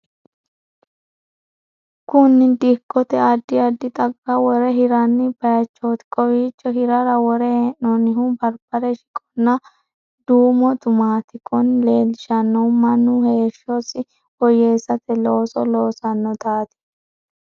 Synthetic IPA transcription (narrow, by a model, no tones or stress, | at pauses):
kʊnːɪd̪ɪkːɔt̪ɛɐd̪ːɪɐd̪ːɪt̪ʼɐɡːɐwɔɾɛɦɪɾɐnːɪb̥ɐjɐt͡ʃːot̪kʼɔwiːt͡ʃːɔhɪɾɐɾɐwɔɾɛhenːɔnɪɦubɐɾb̥ɐɾɛʃɪ̥kʼɔ̥nːɐ | d̪uːmɔt̪ʊmaːt̪ɪkʼɔnle̞ːlɪʃɐnːɔmɐnːʊheːʃːɔsɪ | ɔjeːsɐt̪ɛlo̞ːsɔloːsɐnːɔt̪aːt̪ɪ̥